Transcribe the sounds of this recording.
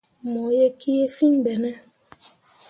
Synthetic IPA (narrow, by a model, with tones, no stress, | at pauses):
mɔ˨je˦kʰi˦je˦fi˦ŋbɛ˨nɛ˦